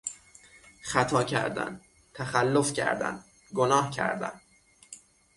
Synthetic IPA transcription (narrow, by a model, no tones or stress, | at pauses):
xæt̪ʰɒːcʰæ̰ɾd̪æ̰n | t̪ʰæxælːofcʰæ̰ɾd̪æ̰n | ɡonɒːhcʰæ̰ɾd̪æ̰n